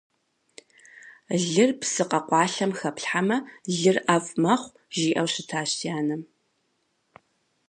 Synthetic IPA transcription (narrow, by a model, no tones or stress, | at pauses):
ɮɨrpsɨqɐqʷɑːɬɐmxɐpɬħamɐɮɨrʔaːfʼmɐχʷ | ʒiːʔɐwɕɪtʰaːɕtʰijaːnɨm